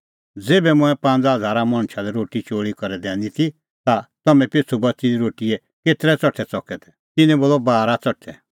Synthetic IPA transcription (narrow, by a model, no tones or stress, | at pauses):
d͡zeːbɛmʊ̃ɛ̃pãnd͡zɦɐd͡zʱaːɾamɐ̃ɳ̃t͡ʃʰalɛɾoːʈit͡ʃoːɭikɔɾɛd̪ɛ̃ːnd̪it̪ʰi | t̪at̪ɐmɛ̃pet͡sʰubɐtsid̪iɾoːʈiɛ | keːt̪ɾɛt͡sɔʈʰɛt͡sɔkɛt̪ʰɛ̥ | t̪ɪnɛ̃boːlɔbaːɾat͡sɔʈʰɛ